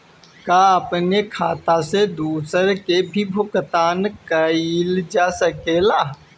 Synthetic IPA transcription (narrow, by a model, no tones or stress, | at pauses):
kaːəpnekʰaːt̪ased̪uːsəɾkebʱibʱʊkt̪aːnkəild͡ʒaːsəkelaː